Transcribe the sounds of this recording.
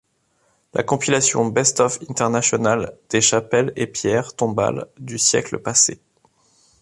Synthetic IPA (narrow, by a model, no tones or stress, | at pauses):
la̰kɔ̃pilasjɔ̰̃bɛst̪ɔfɛ̃t̪ɛʁnasjɔnald̪̥eʃapɛlepjɛʁt̪ɔ̃ba̰ld̪ysjɛ̰klə̰pase